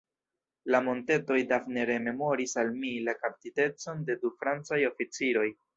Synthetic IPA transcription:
lamo̞nte̞to̞jdafneɾe̞me̞mo̞ɾisalmilakap̚tite̞t͡so̞nde̞dufɾant͡sajo̞fit͡siɾo̞j

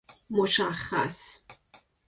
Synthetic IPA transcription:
mʊʃaχa̰s

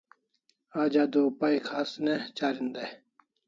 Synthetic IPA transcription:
aːd͡ʑaːd̪opaikʰaːsnet͡ɕaːɾind̪e

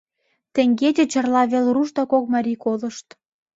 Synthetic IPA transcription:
t̪ĕŋɡet̪ʲet͡ɕə̆rlɑβelruʃt̪ɑkok̚mɑɾʲikolə̆ʃt̪

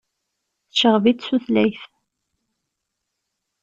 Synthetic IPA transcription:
θʃəʁvit̪suθlæjθ

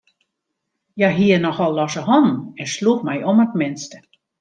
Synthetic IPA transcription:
jaɦiənɔxɔlˠːɔsəɦɔn̩ɛnsluxmɛjɔmətmɪnstə̥

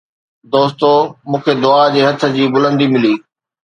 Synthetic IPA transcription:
d̪oːst̪omũːkʰed̪ʊad͡ʑeːɦɐt̪ʰə̆d͡ʑiːbʊlə̃nd̪imɪliː

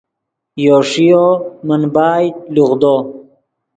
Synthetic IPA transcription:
joːʂijomɐnbaːj̪luɣd̪oː

